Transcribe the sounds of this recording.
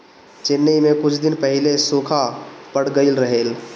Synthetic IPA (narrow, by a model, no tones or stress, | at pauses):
t͡ʃɪnːəmẽkʊt͡ʃʰd̪ɪnpəɦɪlesukʰapəɽ̤ɡəɪlɾəɦeːl